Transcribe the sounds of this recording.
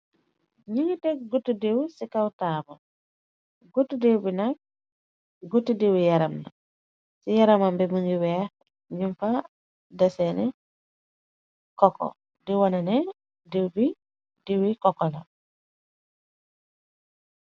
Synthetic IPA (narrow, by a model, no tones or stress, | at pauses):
ɲiŋɡitɛɡutːudewsikawtaːbɐ | ɡutːudewbinak̚ | ɡutːidewjaɾɐmna̰ | sijaɾɐmambɛməŋɡiwɛː | ɲumfa | dɐsɛnɛ | kɔkːɔ̰ | diwɔnɐnɛ | dewbi | diwikɔkːɔla̰